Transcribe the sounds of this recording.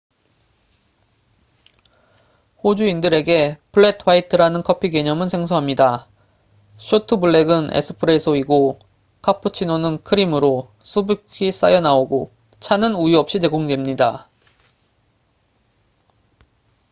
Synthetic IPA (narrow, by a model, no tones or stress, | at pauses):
hod͡ʑuindɯɾe̞ɡe̞pʰɯɭːe̞tʰwaitʰɯɾanɯnkʰʌpʰiɡe̞ɲʌmɯnsʰe̞ŋsʰoɦamɲida | ɕʰotʰɯbɯɭːe̞ɡɯnḛsʰɯ̥pʰɯɾesʰʌiɡo | kʰapʰɯt͡ɕʰinonɯnkʰɯɾimɯɾo | sʰubikʰis͈a̰jʌnaoɡo | t͡ɕʰanɯnujiʌp̚ɕ͈it͡ɕe̞ɡoŋdwemɲida